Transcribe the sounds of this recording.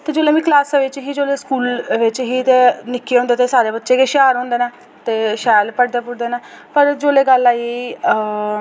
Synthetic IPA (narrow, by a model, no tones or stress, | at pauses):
t̪eːd͡ʒoːleːmĩːklaːsʋɪt͡ʃɦiːd͡ʒoːleːskuːlʋɪt͡ʃɦiːt̪eːnɪkːeːɦõːnd̪eːt̪eːsaːɾeːbətːʃeːkeːʃaːɾɦõːnd̪eːnaː | t̪eːʃaːlpəʈd̪eːpʊɽd̪eːnaː | pəɾd͡ʒoːleːɡəlːaːieiː